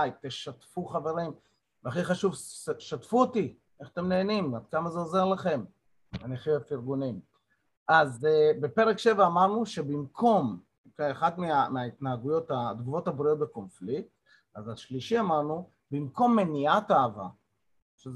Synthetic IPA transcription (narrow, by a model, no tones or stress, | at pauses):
jt̪eʃat̪fuχave̞ʁim | veaχiχaʃuvʃatfuot̪i | eχḁt̪emneːnimad̪̚kamazeoze̞ʁlaχe̞m | aniχiovfiʁɡunim | ʔazbepe̞ʁekʃe̞vaːmaʁnuʃebimkʰo̞m | kaaχad̪meameait̪naaɡujo̞t̪ad̪ɡuvo̞t̪habʁio̞t̪̚beko̞nflik̚t̪ | azaʃliʃiamaʁnu | bimko̞mːeniat̪aːva̰ | ʃe